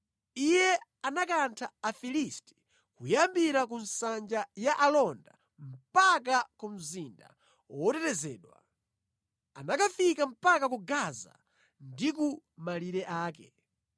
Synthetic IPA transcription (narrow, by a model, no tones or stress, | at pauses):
ijɛanakantʰaːfilistɛ̥ | kujambiɾakun̩sand͡ʒajaʔalɔnda | m̩pak̬akum̩zinda̰ | ɔtɛɾɛzɛːɗwa̰ | anakafikam̩pakakuɡaza̰ | ndik̬u | maliɾɛʔaːkɛ